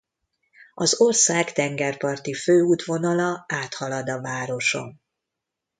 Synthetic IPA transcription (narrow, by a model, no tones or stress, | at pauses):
ɒzorsaːkt̪ɛŋɡɛrpɒrt̪iføːuːt̪ʋo̞nɒlɒaːt̪hɒlɒd̪ɒvaːɾo̞ʃo̞̰m